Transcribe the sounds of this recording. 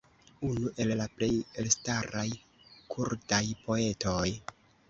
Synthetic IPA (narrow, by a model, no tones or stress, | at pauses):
unuʔe̞llaple̞je̞lstaɾaj | kʰuɾdajpʰo̞e̞to̞j